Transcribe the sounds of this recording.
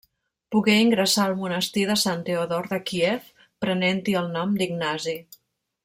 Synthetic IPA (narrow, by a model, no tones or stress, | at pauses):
puɣɛiŋɡɾəsaəlˠmunəst̪iðəsant̪eoðɔɾðəkiɛf | pɾənɛnt̪iəlˠnɔmd̪iɡnazi